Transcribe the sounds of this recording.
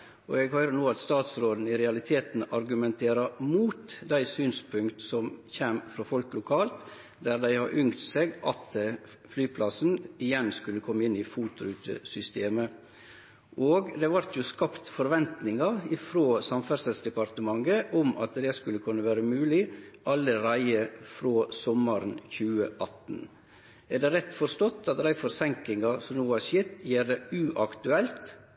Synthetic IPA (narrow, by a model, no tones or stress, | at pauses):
ɔ̰ɛɡhœʏɾənuːɑt̪st̪ɑːt̪sɾoːd̪n̩ɪɾɛɑlɪt̪ʰeːt̪n̩ɑɾɡʉmɛnt̪ʰeːɾɑmuːt̪d̪æɪsyːnspʰʉŋkt̪sɔmçæmfɾɔfɔlklʊkʰɑːlt̪ | d̪æɾd̪æɪhɑ̰ɾʔʏŋt̪seːɡʔɑ̰t̪ | flyːpʰlɑsn̩ɪjɛnskʉlːəkʰɔmːəɪnːɪfuːt̪ʊʉːt̪ə̰sʏst̪ʰeːmə | ʔoːɡd̪ɛʋɑɾt̪ʰjʊskɑpt̪fɔɾʋɛnt̪nɪŋɑɪfɾoːsɑmfæɾsɛlsd̪ɛpɑɾt̪əmɑŋːəʔɔmɑ̰t̪d̪ɛskʉlːəkʰʉnːəʋæːɾəmʉːlɪʔɑlːəɾæɪəfɾoːsɔməɾnçʉːəʔɑt̪n̩ | æd̪ɛɾɛt̪ːfɔɾst̪ɔt̪ʰːɑt̪ɾæɪfɔɾsɛŋkɪŋɑsɔmnuːɑsjet̪jiːɾd̪ɛʉʔɑkt̪ʉɛlt̪